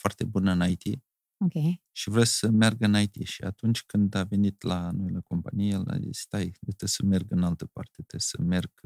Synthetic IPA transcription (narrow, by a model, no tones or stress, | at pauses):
foart̪e̞bunəɨnajt̪i | okʲejʃivɾesəmerɡɨnajt̪iʃiat̪unt͡ʃʲkɨnd̪ave̞nit̪lanoileko̞mpanijela̰ḭst̪ajet̪esəme̞rɡɨnalt̪əpa̰rt̪et̪esə̰me̞rɡ̥